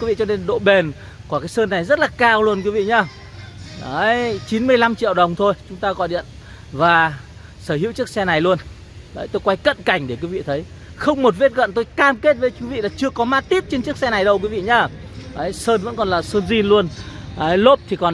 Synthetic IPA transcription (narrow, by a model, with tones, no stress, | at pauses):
wi˨˦vḭ˧˨t͡ɕɔ˧ne˧nɗo̰˧˨ɓe˨˩n | ku˧˩kaː˨˦jsəː˧nːa˨˩jzə˦˥t̚laː˨˩kaː˧wlu˧ənkwi˨˦vḭ˧˨ɲaː˧˩ | ə˨˦jt͡ɕi˨˦nmɨ˧əjla˧mt͡ɕḭ˧˨əwɗə˨˩wŋ͡mt̪ʰo˧jt͡ɕʊ˨˦ŋ͡mt̪aː˧ɣɔ̰˧˩˨jɗḭ˧˨ən | vaː˨˩ | səː˧˩ɦḭ˧˥wt͡ɕɨ˦˥ək̚sɛ˧na˨˩jlu˧ən | ɗəː˨˦jt̪o˧jkwa˧jkə̰˧˨nka˧˩jŋ̟ɗe˧˩kwi˨˦vḭ˧˨t̪ʰə˨˦j | xə˧wŋ͡mmo˨˩t̚ve˦˥t̚ɣə̰˧˨nt̪o˧jkaː˧mke˦˥t̚və˨˦jki˨˦vḭ˧˨laː˨˩t͡ɕɨ˧əkɔ˨˦maː˦˥t̚t̪i˦˥p̚t͡ɕe˧nt͡ɕɨ˦˥ək̚sɛ˧na˨˩jɗə˧wkwi˨˦vḭ˧˨ɲaː˧ | ʔəː˨˦jsəː˧nvə̰˧˥nkɔ˨˩nlaː˨˩səː˧nzi˧nlu˧ənʔəː˨˦lo˦˥p̚t̪ʰi˨˩kɔ˨˩n